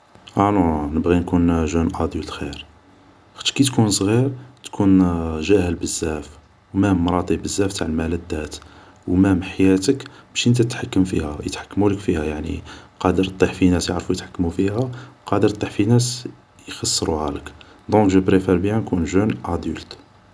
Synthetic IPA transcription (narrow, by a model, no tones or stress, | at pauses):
ʔænonəbɣinkunʒunʔɑd̪ult̪xiɾ | xə̥t̪ːkit̪kunsˤɣiɾt̪kʰunʒæhəlbəzːæf | wmæmːɾˤɑt̪ˤibəzːæft̪aʕəlmæləd̪ːæt̪ | wmæmħajæt̪əkb̥æʃənt̪æt̪ħakːəmfḭhæjə̰t̪ħḁkːmuləkfihæjaʕnḭqɑd̪əɾt̪ˤːiħfinæsjə̰ʕɾfujət̪ħḁkːmufihæqɑd̪əɾt̪ˤːiħfinæs | jxɑsˤːɾuʕæ̰lək | d̪ˤɔ̃kʒəbɾefæɾbjænkunʒunʔæd̪ult̪